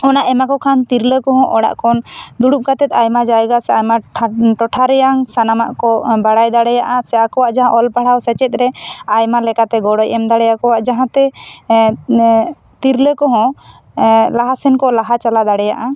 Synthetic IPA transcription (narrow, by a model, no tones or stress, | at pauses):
ɔnaʔɛmakɔkʰant̪iɾləkɔɦɔ̃ʔɔɽa̰ʔkʰɔnd̪uɽup̚kat̪ɛt̪ajmad͡ʒajɡasɛajmaʈɔʈʰaɾɛjaŋsanama̰ʔkɔbaɽajd̪aɽɛjaʔasɛakɔwaʔd͡ʒaɦãʔɔlpaɽawsɛt͡ʃɛt̪̚ˀɾɛajmalɛkat̪ɛɡɔɽɔjʔɛmd̪aɽɛjakɔwaʔd͡ʒaɦãt̪ɛ | t̪iɾləkɔɦɔ̃ | laɦasɛnkɔlaɦat͡ʃalad̪aɽɛja̰ʔa